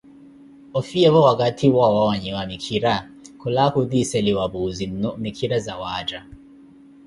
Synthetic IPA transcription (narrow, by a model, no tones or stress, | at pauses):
ofiɛβɔwak̬ʼatʰiwawawaɲɛwamikʰiɾa | kʰɔlakud̪isɛliwabuzin̩nɔmikʰiɾazawaːd͡ʒa